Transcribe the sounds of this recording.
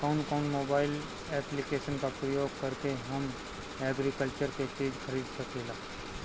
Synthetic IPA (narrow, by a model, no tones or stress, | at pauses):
kɔːnkɔːnmoːbaːɪl | ɛːplikeːʃənkapɾəjoːɡ̚kɐɾkeɦɐm | ɛːɡɾikəlt͡ʃəɾket͡ʃiːd͡ʒxʰɐɾiːd̪sɐkʰeːlaː